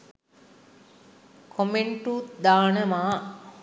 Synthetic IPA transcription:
kʰomeɳʈuːt̪d̪aːnəmaː

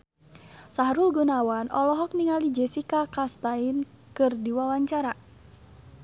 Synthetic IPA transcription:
saɦɾulɡunawanʔɔlɔɦɔk̚niŋalid͡ʒɛsikakast̪ain | kɨrdiwawaɲt͡ʃaɾa

